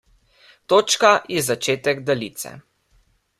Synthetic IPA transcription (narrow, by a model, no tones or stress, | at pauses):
t̪oːt͡ʃkajɛzat͡ʃeːt̪ɛɡd̪alit̪sɛ̰